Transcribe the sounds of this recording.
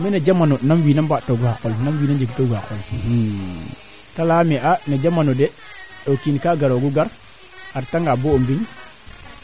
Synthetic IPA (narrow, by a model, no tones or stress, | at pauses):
minad͡ʒamanonamwiːnambatːoɡuhakolnamwiːnad͡ʒeɡtoɡuhakol | talamiʔanad͡ʒamanode | ɗokinkaɡaɾoɡuɡaɾ | aɾtaŋɡaboombin